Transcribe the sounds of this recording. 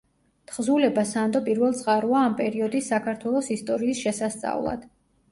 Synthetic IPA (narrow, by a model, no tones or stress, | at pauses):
t̪ʰχzulɛbasand̪ɔpʼiɾvɛlˠt̪sʼqʼaɾuaːmpʼɛɾiɔd̪isːakʰaɾt̪ʰwɛlˠɔsist̪ʼɔɾiːsʃɛsast̪sʼa̰vlˠa̰d̪̥